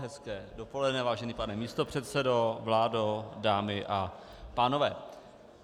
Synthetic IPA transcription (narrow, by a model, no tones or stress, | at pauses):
ɦɛskɛːdopo̞lɛdnɛvaːʒɛniːpanɛmiːst̪o̞pr̝̥ɛt̪sɛdo̞vlaːdodaːmɪʔa | paːno̞vɛː